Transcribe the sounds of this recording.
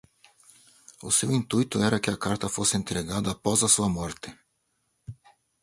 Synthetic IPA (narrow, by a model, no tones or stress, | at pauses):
o̰silint̪ujt̪uɛɾakɛakaɾt̪afosɛnt̪ɾɛɡad̪apɔzasamɔɾt̪ɛ